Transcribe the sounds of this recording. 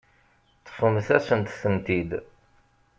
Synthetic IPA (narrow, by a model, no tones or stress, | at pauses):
t̪ːə̥fəmθæsənt̪θənt̪id̪